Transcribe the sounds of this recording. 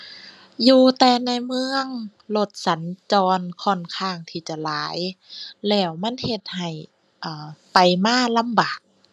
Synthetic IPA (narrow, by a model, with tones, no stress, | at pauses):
juː˧t̪ɛː˧na˧jmɯ˧əŋ | lo˧˩t̪̚sa˨˦nt͡ɕɔː˧nkʰɔ˧˩nkʰaː˧˩ŋt̪ʰiː˧˩t͡ɕa˧˩laː˨˦jlɛː˧˩wma˧˥˨nhe˧t̪̚ha˨˩j | ʔaː˨˧˩pa˨jmaː˧˥˨la˧˥˨mbaː˨˩k̚